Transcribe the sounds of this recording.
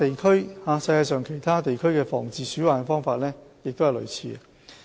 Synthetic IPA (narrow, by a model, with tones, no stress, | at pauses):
t̪e˨jkʰɵ˥ɥhaː˨˧sɐ˧jkaː˧sœː˨ŋkʰe˨˩jt̪ʰaː˥t̪e˨jkʰɵ˥ɥkɛː˧fɔ̰ː˨˩ŋt͡siː˧syː˨˥waː˨˩n˧fɔː˥ŋfaː˧t̚lɛː˥jɪ˨k̚t̪o˥hɐ˨jlɵ̰˨˩ɥt͡sʰiː˧ɐ˧